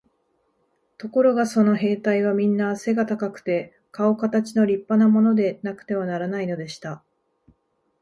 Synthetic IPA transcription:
t̪o̞ko̞ɾo̞ɡaso̞no̞ɦe̞ːt̪aiβamʲĩnːase̞ɡat̪akakɯ̟̥t̪e̞ | kao̞kat̪at͡ɕino̞ɾʲipːanamo̞no̞d̪e̞nakɯ̥t̪e̞βanaɾanaino̞d̪e̞ɕi̥t̪a

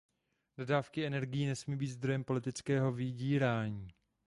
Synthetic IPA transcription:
d̥odaːfkɪɛnɛɾɡɪjiːnɛsmiːbiːt̪zd̪ɾo̞jɛmpo̞lɪt̪ɪt͡skɛːɦo̞vɪɟiːɾaːɲiː

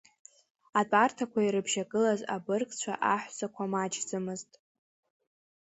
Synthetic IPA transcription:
at͡pʼartʰakʷʰaiɾɨbʒakʼɨlaza̰bɨrkʼt͡ɕʷʰa̰ʔaħʷsakʷʰamad͡ʒd͡zɨmɨztʼ

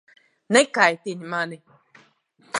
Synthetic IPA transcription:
nekaitinimane

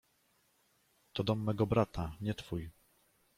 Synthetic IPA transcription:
t̪ɔd̪ɔmːɛɡɔbɾat̪ʰaɲɛt̪fuj

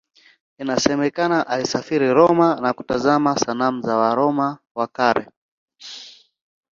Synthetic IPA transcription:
inasɛmɛkanaʔalisafiɾiɾɔmanaku̥tazamasanam̩zawaɾɔma | wakaɾɛ̰

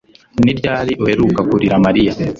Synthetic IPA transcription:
niɾɟaːɾiʔohe̞ɾuːkakuɾiɾamaɾija

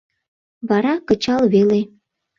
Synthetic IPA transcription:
βɑɾɑkət͡ɕɑlβele

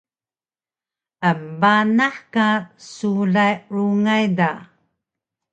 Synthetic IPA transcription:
ʔəmbanaħkasuɮajɾuŋajda

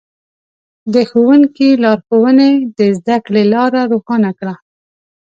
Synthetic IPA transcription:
d̪əxowəŋkilɑɾxowəned̪əzd̪akɽelɑɾaɾoxɑnakɽa

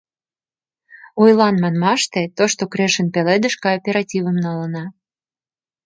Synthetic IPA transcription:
ujlɑnmɑnmɑʃt̪et̪oʃt̪okɾeʃənpeled̪ə̆ʃkɑopʲeɾɑtʲivə̆mnɑlənɑ

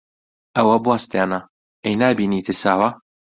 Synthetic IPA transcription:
ɐwɐbwaːst̪aːnɐ | ʔejnaːbiːniːt̪ʰɨɾsaːwɐ

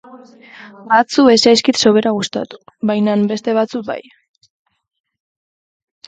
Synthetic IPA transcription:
bat͡sue̞sajskit̪so̞βe̞ɾaɣust̪a̰t̪u̥βajnambe̞st̪e̞β̞at͡suk̚ba̰j

